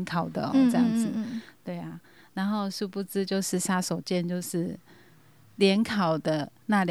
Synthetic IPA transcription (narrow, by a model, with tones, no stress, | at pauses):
nkʰɑ˨˩ʊd̪ə˦ɔ̰˦t͡sɤ˥˧jɑ˥˩ŋd͡zɨ˨˩t̪we˥˩ɪa˨˩ | na˧˦nxo˥˧ʊʂu˥˧pu˥˧t͡sɹ̩˥t͡ɕjo˥˧ʊʂɻ̩˥˩ʂa˥so˨˩ʊt͡ɕjɛ˥˧˨nt͡ɕjo˥˧ʊʂɻ̩˥˩ | ljɛ˧˥nkʰɑ˨˩ʊd̪ə˦ | na˥˧lj